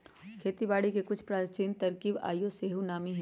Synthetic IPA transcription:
kʰeːt̪ibaːɽikekʊt͡ʃʰpɾaːɾt͡ʃiːnt̪ɐɾkiba̰ːjoseːɦunaːmiɦ

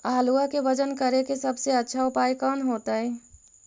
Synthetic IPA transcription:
aːluakebəd͡ʒənkəɾekesəbseətːʃʰaʊpaːjkɔːnɦoːt̪aɦɛ

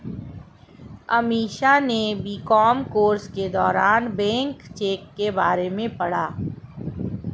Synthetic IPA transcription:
əmiːʃanebikɔːmkoːɾsked̪ɔːɾaːnbɛ̃ːŋkt͡ʃeːkːebaːɾemẽpɐɽ̤aː

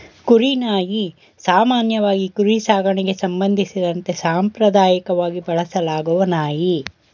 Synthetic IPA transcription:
kuɾinaːji | saːmaːnjɐʋaːɡikuɾisaːɡɐɳeɡe̞sɐmbɐnd̪ʱisid̪ɐnt̪e̞saːmpɾɐd̪aːjikɐʋaːɡibɐɭɐsɐlaːɡuʋɐnaːji

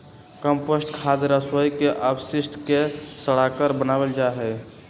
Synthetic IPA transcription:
kəmpəsʈkʰad͡ʒɾəswəjkeʔəbsisʈʰkesəɽ̤akəɾbənabeld͡ʒaɦɛ

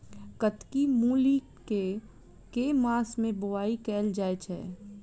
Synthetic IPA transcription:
kət̪kimuːli | ke | kemãːsmẽbʊʋaːikɛːld͡ʒaːet͡ʃʰɛ̰ː

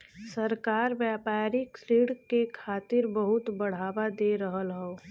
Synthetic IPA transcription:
sɐɾkaːɾʋjaːpaːɾiksɾiːɽkekʰaːt̪ɪɾbəɦʊt̪bɐɽ̤aːʋad̪eɾəɦəlɦoː

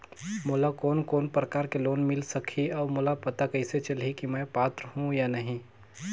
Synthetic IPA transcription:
mʊlakɔːnkoːnpɾəkaːɾkeloːnmɪlsəkʰiɔːmʊlapɐt̪akɐɪset͡ʃɐlɦikimɛ̃paːt̪ɾəɦũjanɐɦĩ

